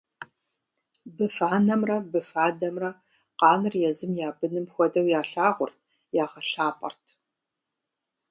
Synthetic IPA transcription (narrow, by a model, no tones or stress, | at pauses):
bɨfaːnɐmrɐbɨfaːdɐmrɐ | qɑːnɨrjɛzɨmjaːbɨnɨmxʷɔdɐwjaːɬaːʁʷʊrt̚ʰ | jaːʁɐɬaːpʼɐ̰rtʰ